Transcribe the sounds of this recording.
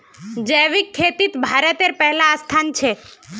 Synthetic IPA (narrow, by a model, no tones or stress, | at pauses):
d͡ʒəjʋikʰːet̪it̪bʱaɾət̪eɾpɛɦlaːst̪ʰant͡ʃʰe